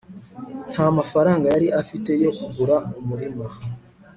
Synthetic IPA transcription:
n̥hamafaɾaːŋɡajaɾiʔafite̞jo̞kuɡuɾaumuɾima

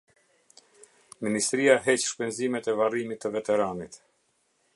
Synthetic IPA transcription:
minist̪ɾiaɦɛt͡ɕʃpɛnzimɛt̪ɛvarimit̪ːəvɛt̪ɛɾanit̪

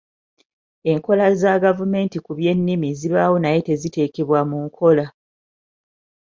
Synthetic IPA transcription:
e̞ŋko̞lazaɡavume̞ːntikuβje̞nːimiziβawo̞naje̞te̞zite̞ːkeβwamuŋkʰo̞la

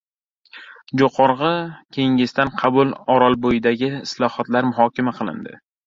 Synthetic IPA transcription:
d͡ʒoqʰɒɾʁɑkʲʰe̞ŋɪst̪anqʰɑbʊlˠɒɾɒlˠbojɪd̪aɡʲɪɪslˠɒhɒt̪laɾmʊɦɒkʲamaqʰɨlˠɪ̰nd̪ɪ̰

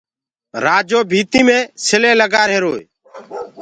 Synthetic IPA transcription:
ɾaːd͡ʒoːbʱiːt̪iːmẽːsɪlẽːləɡaːɾɦeːɾoːe

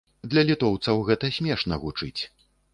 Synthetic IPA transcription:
d̪lʲɐlʲit̪ɔwt̪sɐwɣɛt̪ɐsʲmʲɛʂnɐɣut͡ʂɨt͡sʲ

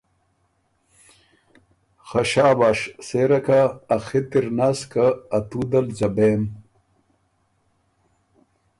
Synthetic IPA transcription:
xɐɕaːbaːʂseːɾɐkaːxit̪iɾnaːskaːt̪ud̪ɐld͡ʑɐbeːm

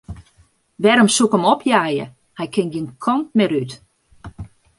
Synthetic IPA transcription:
ʋɛɾəmsukəmɔpʰjaːjə̰ | hɛjkʰɪŋɡiənkʰɔnt̚mɛɾyt

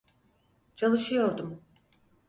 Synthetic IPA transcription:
t͡ʃʰalˠɯʃɯjo̞ɾd̪um

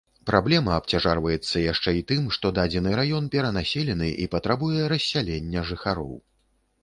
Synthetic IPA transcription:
pɾablʲɛmɐːpt͡sʲaʐarvɐjɛt̪sːɐjaʂt͡ʂɛit̪ɨmʂt̪ɔd̪ad͡zʲɛnɨɾajɔnpʲɛɾɐnasʲelʲɛn̪ɨʔḭpɐt̪ɾabujɛɾɐsʲːalʲenʲːɐʐɨxaɾɔ̰w

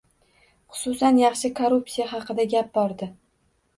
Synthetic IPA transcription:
χʊ̥sʊsanjɑχʃɪkʰoɾupsijaɦɑqɨd̪aɡʲap̚bɒɾd̪ɪ

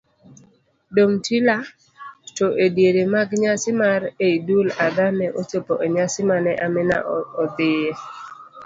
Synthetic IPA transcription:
domtʰila | toʔedjeɾemaɡɲasɪmaɾeidulad̪anɛʔot͡ʃopoʔeɲasɪmanɛʔamɪna̰ɔt̪ɪje

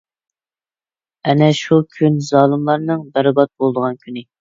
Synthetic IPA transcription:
ɛnɛʃukʲʰynzɑːlˠɨmlˠɑɾnɨŋbæɾbɑt̪̚bolˠd̪əʁɑnkʲʰynɪ

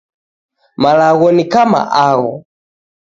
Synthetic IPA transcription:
malaɣɔnikama̰ʔaɣɔ̰

